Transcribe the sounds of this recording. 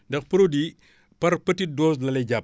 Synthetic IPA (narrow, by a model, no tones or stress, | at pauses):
dɐxpɐɾudi | pɐɾpɐtidɔːs̬lɐlɛɟap̚